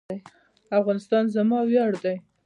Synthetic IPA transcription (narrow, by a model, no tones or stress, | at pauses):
aj | afɣɑnɪst̪ɑnzamɑwjɑɽd̪aj